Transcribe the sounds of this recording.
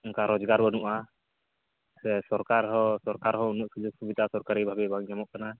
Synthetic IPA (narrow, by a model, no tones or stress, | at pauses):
ɔŋkaɾɔd͡ʒɡaɾbɔnuʔa | sɛsɔɾkaɾɦɔsɔɾkaɾɦɔunuʔsud͡ʒuɡ̚subid̪asɔɾkaɾibʱabɛbaŋɲamɔʔkana